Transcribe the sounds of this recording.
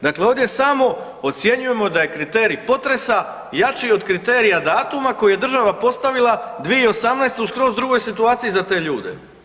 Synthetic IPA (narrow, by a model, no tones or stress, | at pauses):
d̪akle̞o̞vd̪je̞samo̞ | ot̪sje̞ɲuje̞mo̞d̪aje̞kɾit̪e̞ːɾipo̞t̪ɾe̞sa | jat͡ʃio̞d̪kɾit̪e̞ːɾijad̪aːt̪umako̞juje̞d̪ɾr̩ʒaʋapo̞st̪aʋilˠad̪ʋijeio̞samnajst̪euskɾo̞zd̪ɾuɡo̞jsit̪uaːt̪sijizat̪e̞ːʎuːd̪e̞̰